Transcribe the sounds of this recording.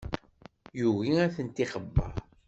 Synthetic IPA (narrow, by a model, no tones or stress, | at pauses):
juʝiæθənt̪iχəbːə̰ɾ